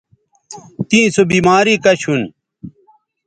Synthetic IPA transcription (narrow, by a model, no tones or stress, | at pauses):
t̪ĩːsobiːmaːɾiːkɐɕʰun